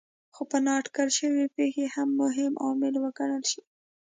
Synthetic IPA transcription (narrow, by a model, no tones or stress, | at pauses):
xopənɑʈkaɾʃəwipexehamːʊɦɪmʔɑmɪlwəkaɽəlʃi̥